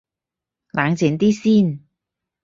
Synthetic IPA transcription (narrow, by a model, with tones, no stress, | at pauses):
laː˨˧ŋt͡si˨˥nt̪iː˥siː˥˩n